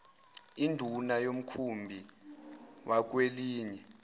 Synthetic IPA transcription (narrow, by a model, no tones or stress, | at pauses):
indʱunajom̩kʰumbʱi | wʔak̬weliːɲɛ